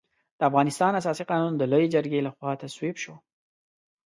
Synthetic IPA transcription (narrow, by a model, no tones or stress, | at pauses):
d̪̥əafɣɑnɪst̪ɑnasɑsiqɑnund̪əlojed͡ʒəɾɡelaxwɑt̪aswibʃo